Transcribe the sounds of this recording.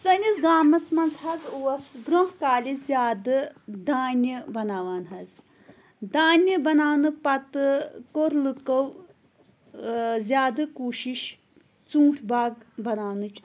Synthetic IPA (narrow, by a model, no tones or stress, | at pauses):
sɐnʲizɡaːmɐsmɐnzɦɐzuːɐsɡɾoɦkaːlʲizʲjaːd̪ɨd̪aːnʲɨbɐnaːʋaːnɦɐz | d̪aːnʲɨbɐnaːwnɨpɐt̪ɨkoɾlɨkɐw | zʲjaːd̪ɨkuːʃiʃ | t͡sũːʈʰbaːɡbɐnaːwnɨt͡ʃʰ